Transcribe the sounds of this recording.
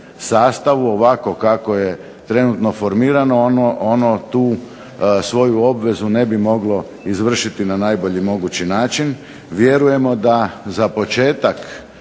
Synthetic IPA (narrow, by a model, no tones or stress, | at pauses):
saːst̪aʋuoʋako̞kako̞je̞ | t̪ɾe̞nut̪no̞fo̞ɾmiːɾanonoonot̪uː | sʋo̞juo̞bʋe̞zune̞bimo̞ɡlo̞ | izʋr̩ʃit̪inanaːjbo̞ʎimo̞ɡut͡ɕinaːt͡ʃin | ʋje̞ɾuje̞mo̞d̪azapo̞t͡ʃe̞ːt̪ak